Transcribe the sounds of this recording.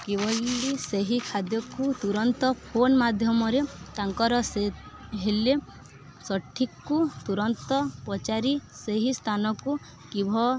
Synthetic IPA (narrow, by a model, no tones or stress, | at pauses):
kibɔlːiseɦikʰad̪jɔkut̪uɾɔnt̪ɔpʰonmad̪ʱjɔmɔɾet̪aŋkɔɾɔseɦele | sɔʈʰːikːut̪uɾɔnt̪ɔpɔt͡ʃaɾiseɦist̪ʰanɔku | kibʱɔ